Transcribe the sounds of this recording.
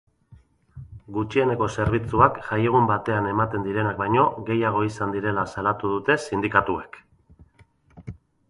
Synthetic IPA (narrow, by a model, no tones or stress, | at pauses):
ɡut͡ʃie̞ne̞ko̞se̞ɾβit͡suakʝaje̞ɣumbat̪e̞ane̞mat̪e̞nd̪iɾe̞nak̚bajɲo̞ɣe̞jaɣ̞o̞isand̪iɾe̞lasalat̪uðut̪e̞sind̪ikat̪uek